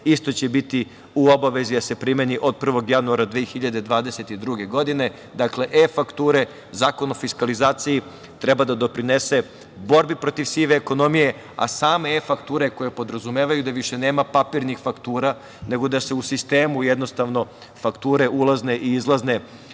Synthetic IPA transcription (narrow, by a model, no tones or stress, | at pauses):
ist̪o̞t͡ɕebit̪i | uo̞baʋe̞zid̪ase̞pɾimeniʔo̞d̪̚pr̩ʋo̞ɡjanuaɾad̪ʋiːxiʎad̪e̞d̪ʋaːd̪eset̪id̪ɾuɡe̞ɡo̞d̪ine̞ | d̪akle̞ʔefakt̪uːɾe̞ | zaːko̞no̞fiskalizaːt̪siji | t̪ɾebad̪ad̪o̞pɾine̞se̞ | bo̞ɾbipɾo̞t̪iʋsiːʋeːko̞no̞mije̞ | a̰saːme̞efakt̪uːɾeko̞je̞po̞d̪ɾazumeːʋajud̪aʋiʃe̞ne̞ːmapapiɾnixfakt̪uːɾa | ne̞ɡo̞d̪ase̞usist̪e̞ːmujed̪no̞st̪aʋno̞ | fakt̪uːɾe̞ʔulˠazne̞ʔiizlˠazne̞